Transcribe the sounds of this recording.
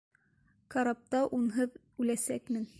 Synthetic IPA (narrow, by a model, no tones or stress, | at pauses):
kɑɾɑp̚t̪ɑʔunɦɤð | ʉlæsækmɘn